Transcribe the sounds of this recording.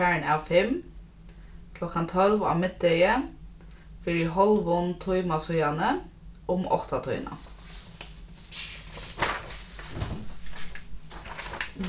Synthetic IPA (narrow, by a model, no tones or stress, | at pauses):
æːɳɑːfɛm | kʰlɔkɑnt̪ʰɔlʋɑ̰ːʋmɪd̪̚d̪œɡə | fiɖiːhɔlʋɔnt̪ʰʊʏmɑsœʏɑnə | ʔʊmɔ̰t̪ɑt̪ʰɔ̰ʏnɑ̰